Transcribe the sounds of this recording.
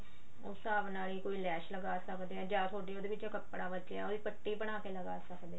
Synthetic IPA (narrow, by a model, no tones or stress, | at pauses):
oːsaːbnaːliːkoːiːlɛːʃləɡaːsəkd̪eːɛ̃ːd͡ʒãːt̪ʰoːɖiːoːd̪eːʋɪt͡ʃãːkəpːɽaːʋəd͡ʒ̪eɛ̰̃oːd̪iːpəʈːiːbəɽ̃aːkeːləɡaːsəkd̪ẽː